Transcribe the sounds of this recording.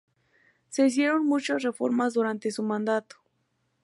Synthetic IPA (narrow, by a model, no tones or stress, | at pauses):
seis̬jeɾonmut͡ʃasrefo̰ɾmas̬d̪uɾant̪esumand̪at̪o̥